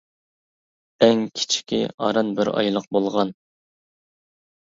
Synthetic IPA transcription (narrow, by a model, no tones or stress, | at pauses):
ɛŋkʲʰi̥t͡ʃʰi̥kʲḭɑ̰ɾɑnbɪɾɑ̰jlˠəq̚bolˠʁɑn